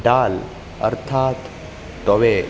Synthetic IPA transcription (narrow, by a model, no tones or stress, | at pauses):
ɖaːl | ə̰ɾt̪ʰaːt̪ː | ɔʋe